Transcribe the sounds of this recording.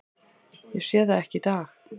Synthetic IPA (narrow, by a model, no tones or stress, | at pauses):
jɛɣsjɛːðaɛhcɪit̪aːx